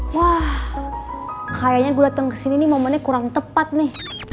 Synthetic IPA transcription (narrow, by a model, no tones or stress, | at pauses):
wah | kajaɲaɡudat̪əŋkə̥sininimomanɛkuɾaŋt̪əpat̪̚nɪh